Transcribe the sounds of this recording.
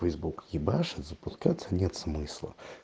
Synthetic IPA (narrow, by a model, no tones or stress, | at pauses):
fɛjzbukjibaʂɨzɐpʊskat̪sɐnʲɛt̪smɨslˠɐ̰